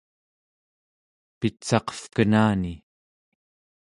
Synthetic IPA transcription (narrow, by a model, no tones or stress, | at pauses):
pit͡sɑqʌ̥fkənaːni